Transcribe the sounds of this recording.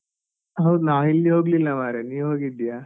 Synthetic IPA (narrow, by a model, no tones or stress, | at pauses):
ɦɐwd̪unaːʋilːiɦoːɡlilːɐmaːɾeniːʋɦoːɡid̪ijaː